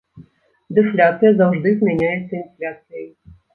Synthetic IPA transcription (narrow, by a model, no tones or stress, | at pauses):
d̪ɨflʲat̪sɨjɐzawʐd̪ɨzmʲɛnʲajɛt̪sːəinflʲat̪sɨjəj